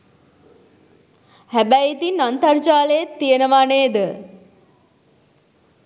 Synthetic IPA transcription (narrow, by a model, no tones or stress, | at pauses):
hæbæjit̪inːant̪art͡ʃaːləjet̪ːijənəʋaneːd̪ə